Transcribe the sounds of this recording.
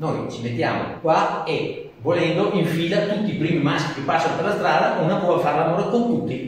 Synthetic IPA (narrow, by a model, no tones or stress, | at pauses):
nojt͡ʃimet̪ːja̰ːmo̰kwae | volɛnd̪oʔiɱfiːlat̪ut̪ːiːpɾiːmimaski̥kepasːanoperlast̪ɾaːd̪aʔunapɔvfaɾlamoːɾekont̪ut̪ːi